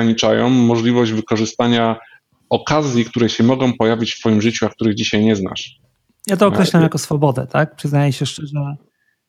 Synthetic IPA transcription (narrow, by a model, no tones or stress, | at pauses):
ɲit͡ʂajɔ̰̃w̃ːɔʐlʲivɔʑd͡ʑvɘkɔʐɘst̪aɲa | ɔkazʲjikt̪uɾɛɕɛmɔɡɔ̃w̃pɔjavʲit͡ɕft̪fɔjimʐɘt͡ɕuak̚t̪uɾɘɣd͡ʑiɕajɲɛzna̰ʂ | jat̪̬ɔɔkɾɛɕlamjakɔsfɔbɔd̪ɛ̰t̪ak̚pʂɘznajɛɕɛʂt͡ʂɛʐɛ